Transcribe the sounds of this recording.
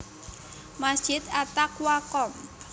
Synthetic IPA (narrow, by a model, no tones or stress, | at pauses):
masd̥ʒ̥ɪt̪at̪akwakɔm